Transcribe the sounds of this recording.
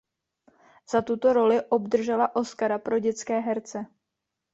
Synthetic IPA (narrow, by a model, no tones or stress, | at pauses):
z̥at̪ut̪o̞ɾo̞lɪʔo̞bd̪r̩ʒɛlaʔo̞skaɾapɾo̞ɟɛt͡skɛːɦɛɾt͡sɛ